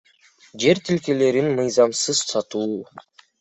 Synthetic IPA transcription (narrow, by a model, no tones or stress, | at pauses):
d͡ʒe̞ɾt̪ʰilke̞le̞ɾinmɯjzɑmsɯz̥sɑt̪uː